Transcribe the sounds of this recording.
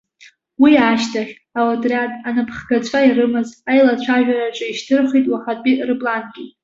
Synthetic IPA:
wiaːʃtʰaχʲ | awatʼrʲatʼanapʰχɡat͡ɕʷʰairɨmɨzajlat͡ɕʷʰaʒᶣaɾaʈ͡ʂʼɨiʃtʰɨrχʷitʼwaχapʼirɨbʼlanɡʲi

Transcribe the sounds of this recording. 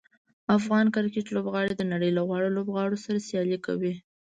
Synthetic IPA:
afɣɑnkaɾkeʈlobɣɑɽed̪ənaɽəjlaɣwɑɽolobɣɑɽosaɾasjɑlika̰wi

